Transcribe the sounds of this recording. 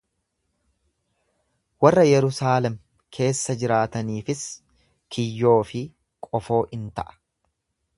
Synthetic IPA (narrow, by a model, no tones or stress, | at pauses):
wɐrːɐjɛɾʊsaːlɛm | kʰe̞ːsːɐd͡ʒɪɾaːt̪ɐniːfɪs | kʰɪjːo̞ːfɪ | kʼɔfo̞ːʔɪnt̪ɐʔɐ̥